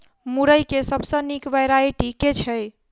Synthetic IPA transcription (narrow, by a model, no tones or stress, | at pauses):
muɾəjkesəbʱsə̃nikʋəjɾajʈiket͡ʃʰɛj